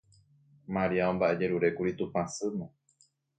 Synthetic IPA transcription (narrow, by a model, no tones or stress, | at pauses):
maɾiaõmbaʔe̞d͡ʒe̞ɾuɾe̞kuɾit̪upãsɨnõ